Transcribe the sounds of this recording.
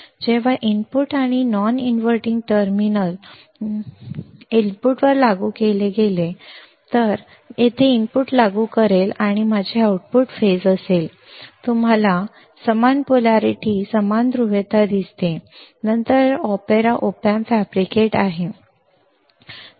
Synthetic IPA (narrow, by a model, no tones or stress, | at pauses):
d͡ʑeʋ̤aʔinpuʈaɽ̃inɔninʋəɾʈiŋɡʈəɾminəl | elpuʈʋəɾlaɡukeleɡele | t̪əɾ | jet̪ʰeinpuʈlaɡukəɾelaɽ̃imad͡ʑʱeauʈ̚puʈfed͡zəsel | t̪um̤ala | səmanpulaɾiʈiːsəmand̪ɾuʋet̪ad̪ist̪enənt̪əɾɔpeɾaʔopanfæbɾikeʈaɦe